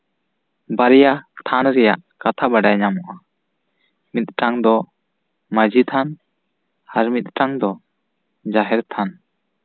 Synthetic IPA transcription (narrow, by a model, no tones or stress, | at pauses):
baɾɛjat̪ʰanɾɛja̰ʔkat̪ʰabaɖajɲamɔʔa | mit̪̚ʈaŋd̪ɔ | mad͡ʒit̪ʰan | haɾmit̪̚ʈaŋd̪ɔ | d͡ʒaɦɛɾt̪ʰan